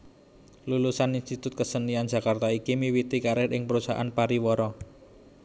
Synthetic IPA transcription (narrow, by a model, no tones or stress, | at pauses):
lulusaninst̪it̪ʊt̪̚kəsənian̥d͡ʒä̤kart̪aikimiwit̪ikaɾɪhʔɪŋpəɾusa̰ʔa̰npaɾiwɔɾɔ